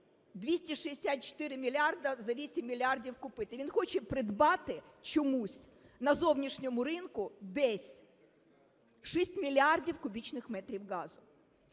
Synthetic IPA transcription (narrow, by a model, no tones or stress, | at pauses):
d̪ʲʋʲisʲtʲiʃiesʲat̪̚t͡ʃɔ̥t̪ɪɾɪmʲilʲɑrd̪ɐzɐʋʲisʲimʲːilʲardʲiwkʊpɪt̪ɪʋʲinxɔt͡ʃɛpɾɪd̪bɑt̪ɪ | t͡ʃɔmusʲ | nɐzɔwnʲiʃnʲɔmʊɾɪnkʊd̪ɛsʲ | ʃisʲtʲmʲilʲardʲiwkʊbʲit͡ʃnɪxmɛt̪ɾʲiwɣɑzʊ